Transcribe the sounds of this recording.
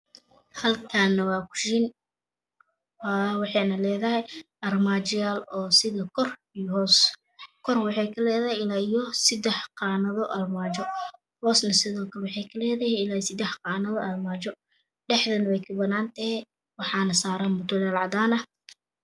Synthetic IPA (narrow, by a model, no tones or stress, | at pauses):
hɐlkʰanːɐwɑːkʰʊ̥ʃɪn | wawɑħɑjnɐlɛːðɐɦɛjʔɐrmaːt͡ʃɪjaːlɔːsɪðɐkʰɔr | ijɔɦɔːs | kʰɔrwɑħɑjkʰɐlɛːðɐhɛɪlaːijɔsɪd̪ɛħqɑːnɐðɔʔɐrmaːt͡ʃɔ | hɔːsnɐsɪðɔːkʰɐɾwɑħɑjkʰɐlɛːðɐhɛɪlaːjɔsɪd̪ɛħqɑːnɐðɔʔɐrmaːt͡ʃɔ | ɖɛħðɐnwɛjkʰɐbɐnaːnt̪ɐhɛ | wɑħɑːnɐsaːɾaːnmʊt̪ʊlaːlʕɑd̪aːnɐ